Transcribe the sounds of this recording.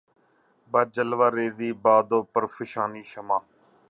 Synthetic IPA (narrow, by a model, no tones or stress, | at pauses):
baːd͡ʒəlʋaːɾeːziːbaːd̪oːpəɾfʰɪʃaːniːʃəmaː